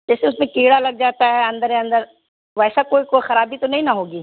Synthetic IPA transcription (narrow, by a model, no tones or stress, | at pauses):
d͡ʒɛːseʊsmẽkeːɽalɐɡ̚d͡ʒaːt̪aɦɛɐ̃nd̪əɾjãɐ̃nd̪əɾ | ʋɛːsakoːikoːixɐɾaːbʱit̪onɐɦĩnɐɦoːɡiː